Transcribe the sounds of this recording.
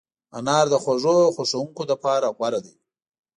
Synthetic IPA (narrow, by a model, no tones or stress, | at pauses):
a̰nɑɾd̪əxwaʐoxoʂawuŋkod̪əpɑɾaɣwaɾad̪i